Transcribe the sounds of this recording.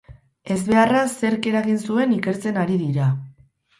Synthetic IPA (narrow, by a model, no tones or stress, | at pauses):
e̞zβe̞arase̞ɾke̞ɾaɣinsue̞nike̞ɾt͡se̞naɾiðiɾa